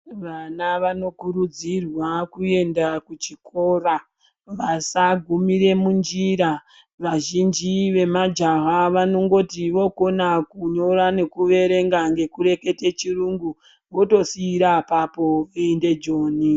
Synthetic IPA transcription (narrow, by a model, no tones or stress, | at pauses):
ʋanaʋano̞kuɾud͡zirwakue̞ndakut͡ʃiko̞ːra | ʋasaɡʱumiɾe̞mund͡ʒiɾa | ʋaʒind͡ʒiʋe̞mad͡ʒaɦaʋano̞ŋɡo̞tiʋo̞konakuɲo̞ɾane̞kuʋe̞ɾe̞ŋɡaŋɡe̞kuɾe̞ke̞te̞t͡ʃiruŋɡu | ʋo̞to̞siːɾapapo̞ende̞d͡ʒo̞ːni